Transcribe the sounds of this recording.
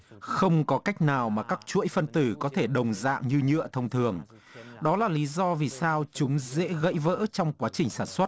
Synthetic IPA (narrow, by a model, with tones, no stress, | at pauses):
xə˧wŋ͡mkɔ˨˦ka˦˥jk̟̚naː˨˩wmaː˨˩kaː˦˥k̚t͡ɕṵ˧˥əjfə˧nt̪ɨ˧˩kɔ˨˦t̪ʰe˧˩ɗə˨˩wŋ͡mza̰ː˧˨ŋɲɨ˧ɲɨ̰˧˨ət̪ʰə˧wŋ͡mt̪ʰɨ˨˩əŋ | ɗɔ˨˦laː˨˩li˨˦zɔ˧vi˨˩saː˧wt͡ɕʊ˨˦ŋ͡mzḛ˧˥ɣə̰˧˥jvə̰ː˧˥t͡ɕɔ˧wŋ͡mkwaː˨˦t͡ɕï˨˩ŋ̟saː˧˩nswə˦˥t̚